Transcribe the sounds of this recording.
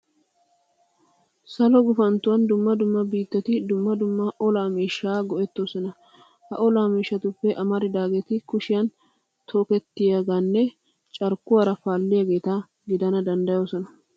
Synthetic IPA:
sɐlɔɡʊfɐnt̪ʊwɐnd̪ʊmːɐd̪ʊmːɐbiːt̪ːɛt̪ɪd̪ʊmːɐd̪ʊmːɐʔɔlaːmiːʃːaːɡɔʔɛt̪ːo̞ːsɔnɐ | hɐʔɔlaːmiːʃːɐt̪ʊpːɛʔɐmɐɾɪd̪aːɡeːt̪ɪkʊʃɪjɐn | t̪ʰoːkɛt̪ːɪjaɡanːɛ | t͡ʃʼɐɾkːʊwɐɾɐfaːlːɪjaɡe̞ːt̪a | ɡɪd̪ɐnɐd̪ɐnd̪ɐjoːsɔnɐ

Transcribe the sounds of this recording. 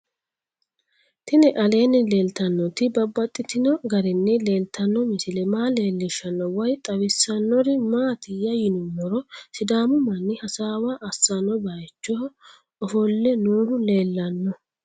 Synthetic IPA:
t̪ɪnɛʔɐle̞ːnːɪleːlt̪ɐnːɔt̪ɪbɐbːɐt̪ʼːɪt̪ɪnɔɡɐɾɪnːɛle̞ːlt̪ɐnːɔmɪsɪlɛmaːle̞ːlːɪʃːɐnːɔwɐjt̪ʼɐwɪsːɐnːɔɾɪmaːt̪ɪjɐjɪnʊnːɔɾɔsɪd̪aːmʊmɐnːɪhɐsaːwaʔɐsːɐnːɔbɐjt͡ʃːɔh | ɔfɔlːɛnuːhʊle̞ːlːɐnːɔ

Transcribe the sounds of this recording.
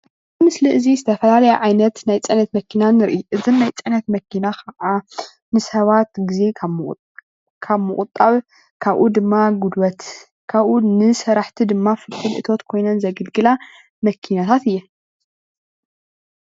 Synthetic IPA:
ɨmɨsliʔɨzizɨt̪ʰɐfɐlalɐjɛʕajnɐt̪najt͡sʼɐnɐt̪mɐkʰinanɨɾʔiʔɨzɨnnajt͡sʼɐnɐt̪mɐkʰinakʰɐʕa | nɨsɐβat̪ɡize̞ | kʰaβmɨkʼʊt̪ʼːaβ | kʰaβʔud̪ɨmːaɡud̪wɐt̪ | kʰaβʔunɨsɐɾaħt̪ʰid̪ɨmːafɨltʰɨlʔɨ̰t̪ʰo̞t̪kʰo̞jnɐnzɐɡɨlɡɨla | mɐkʰinat̪ʰat̪ɨjːɛ

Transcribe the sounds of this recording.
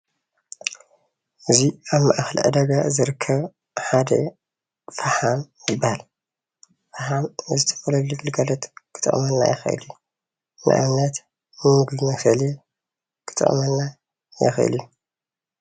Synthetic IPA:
ʔɨziaβma̰ʔxɐlʔɨ̰d̪ɐɡazɨɾɨkʰːɐβ | ħad̪ɐ | faħamjɪbːahal | faħamɨzɨt̪ʰɐ̥fɐlɐβlɨɡɨlɡalɐt̪kʰɨ̥t̪ʼɨ̰χʼmɐnːa̰jɨxɐ̰ʔɨ̰lju | nɨ̰ʔa̰nɐt̪ | nɨmɨɡlimɐsɐle | kʰɨ̥t̪ʼɨ̰χʼmɐnːa | jɪ̰xʔɨ̰lju

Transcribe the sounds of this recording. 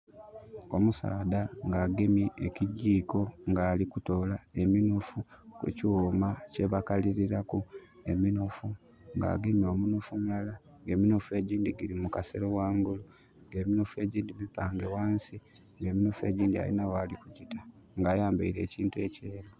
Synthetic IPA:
o̞musa̰ːdaŋɡaːɡemiʔeciɟiːko̞ŋɡaːlikuto̞ːlae̞minufukwḛciwomace̞βakaliɾiɾakue̞minufu | ŋɡa̰ːɡemio̞ːmunufumlala | ŋɡe̞ːminufue̞ɟiːndiɡiɾimukase̞ɾowaːŋɡulu | ŋɡe̞ːminufue̞ːɟiːndimipaːŋɡe̞waːnsi | ŋɡe̞ːminufue̞ːɟiːndia̰lḭnawalikuɟitʰa | ŋɡaːjaːmbaiɾe̞̰ːciːntue̞ceːɾo

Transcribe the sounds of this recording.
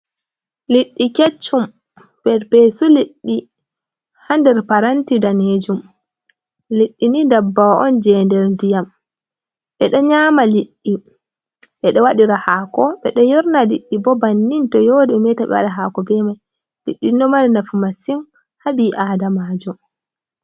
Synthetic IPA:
liɗːiket͡ʃːum | pɛɾpesuliɗːi | handɛɾpaɾantidaned͡ʒum | liɗːinidabːawaʔɔnd͡ʒɛːndɛɾndijam | ɓɛɗɔɲaːmaliɗːi | ɓɛɗɔwaɗiɾahaːkɔɓɛɗɔjiɾnaliɗːibɔbanːintɔjɔdɛɛmɛtaɓɛ̰wa̰ɗaɦaːkɔbɛmaj | liɗːinɔmaɾinafumasim | habiʔaːdamaːd͡ʒɔ

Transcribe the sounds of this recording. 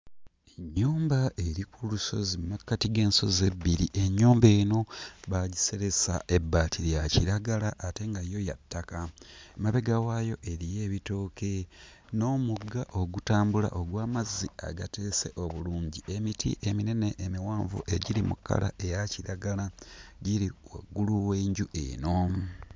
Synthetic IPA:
eɲːuːmbaʔe̞ɾikuluso̞̰zimakːatiɡe̞ːnso̞ze̞bːiɾiʔe̞ɲːuːmbe̞ːno̞βaɟise̞ɾesa̰ʔe̞bːaːtʰiɾjaciɾaɡalaʔːte̞ŋɡajo̞ja̰tːakamaβe̞ɡawajo̞ʔe̞ɾije̞ːβito̞ːkʰe̞ | no̞ːmuɡːaʔo̞ɡutaːmbula̰ʔo̞ɡwaːmazia̰ɡate̞ːse̞ʔo̞βuluːɲɟie̞mitʰḭʔe̞mineneʔːmiwaːɱvṵʔe̞ɟiɾimṵkːa̰la̰ʔe̞jaciɾaɡalaɟiɾiwa̰ɡːuluweːɲɟuʔḛno̞

